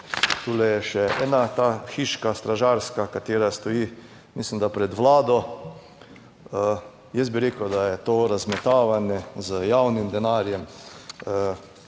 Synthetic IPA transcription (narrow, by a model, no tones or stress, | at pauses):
t̪uːlɛjɛʃɛʔɛːnat̪aːxiːʃkast̪ɾaʒaɾskakat̪eːɾast̪ɔjiː | mislimd̪apɾɛd̪ʋlaːd̪ɔ | ə | jɛs̚biɾeːkəd̪ajɛt̪oːɾazmɛt̪aːʋanjɛzəjawnimd̪ɛnaːɾjɛmə